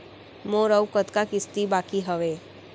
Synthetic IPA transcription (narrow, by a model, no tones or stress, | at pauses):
mõːɾəwkət̪kakɪst̪ibaːkiɦəʋeː